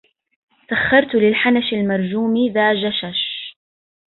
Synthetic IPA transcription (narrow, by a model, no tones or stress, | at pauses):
saxːɑɾˤt̪ʊlɪlħanaʃalmɑɾˤd͡ʒuːmiðaːd͡ʒaʃaʃ